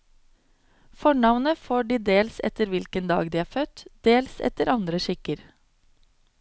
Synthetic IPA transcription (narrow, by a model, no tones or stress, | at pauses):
fɔɳɑʋnəfoːɖiːd̪eːlsɛ̰t̪əɾʋɪlkənd̪ɑ̰ːɡd̪iːæːɾfœt̪d̪̥eːlsɛ̰t̪əɾʔɑnd̪ɾəʃɪkəɾ